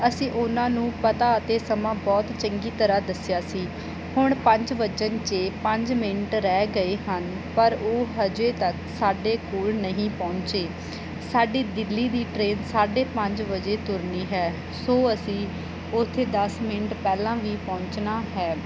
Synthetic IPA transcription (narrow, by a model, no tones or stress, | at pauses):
əsĩːʔʊnãːnũːpət̪aːət̪eːsəmãːbɔːt̪t͡ʃəŋɡiːt̪əɾaːd̪əsɪjaːsiː | hʊɳpə̃ɲd͡ʒʋət͡ʃənt͡ʃeːpəɲd͡ʒmɪɳʈɾɛːɡəeːɦən | pəɾoːɦəd͡ʒeːt̪əksaːɖeːkoːlnəɦĩːpɔ̃ːɲt͡ʃeː | saːɖiːd̪ɪlːiːd̪iːʈɾeːnsaːɖeːpəɲd͡ʒʋəd͡ʒeːt̪ʊɾniːɦɛː | soːəsĩː | ʊt̪ʰːeːd̪əsmɪɳʈpɛːlãːʋiːpɔ̃ːɲt͡ʃnaːɦɛː